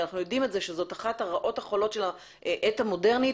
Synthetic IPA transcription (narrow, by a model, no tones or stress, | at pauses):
naχnujodimelzeʃezo̞taχataʁaʔo̞thaχolo̞tʃe̞la | ʔʔetamo̞de̞ʁni